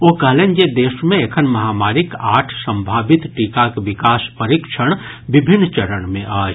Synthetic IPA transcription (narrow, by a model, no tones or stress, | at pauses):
okəɦlẽːnjed̪eːʃmẽekʰənmɐɦaːmaːɾikaːʈʰsə̃mbʱaːbɪt̪ʈiːkakeʋɪkaːspəɾikʃʰəɽ̃ | bɪbʱɪnːt͡ʃəɾəɳmẽʔaːd͡ʒ